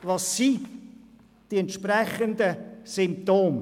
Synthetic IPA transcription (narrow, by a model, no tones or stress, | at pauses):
ʋɑsːi | d̥iɛnt̪ʃprɛχənd̪əsɪmp̚t̪oːm